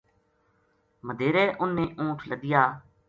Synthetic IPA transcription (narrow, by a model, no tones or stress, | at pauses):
məd̪eːɾeːʔʊnːeːʔũːʈʰləɡ̪ɪjaː